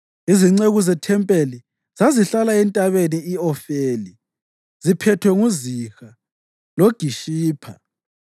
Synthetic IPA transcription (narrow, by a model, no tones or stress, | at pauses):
iziŋ͡ǀeɣuzɛtʰɛmpʼeli | z̥aziɬalaɛntʼaβeniiɔfeːli | zipʰɛtʰwɛŋuzixa | loɡ̥ʱiʃiːpʰa̰